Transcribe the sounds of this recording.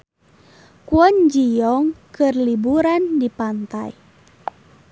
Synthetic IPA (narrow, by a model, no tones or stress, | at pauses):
kuɔnd͡ʒijɔŋkɨrlibuɾandipant̪a̰j